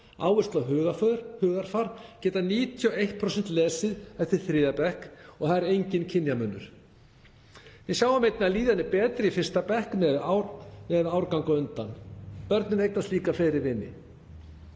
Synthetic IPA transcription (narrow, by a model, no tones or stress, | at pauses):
a̰ːwvʏst̪laɦœːɣafœhœːɣaɾ̥faɾcɛːt̪aniːt̪ʰiɔejht̪̚pʰɾosɛn̥t̪lɛːsɪðɛft̪ɪɾ̥θɾɪːðapɛhkɔɣθaðɛɾejɲcɪncʰɪnjamœnːʏ̰ɾ̥ | jɛsjaːwvamejt̪naliːðanɪpɛːt̪ɾɪifɪr̥st̪apɛhknɛðnɛðaːwɾkaŋkɔʏnt̪anpœɾt̪nʏmejk̪nast̪liːkafɛjɾɪɾvɪnːɪ̰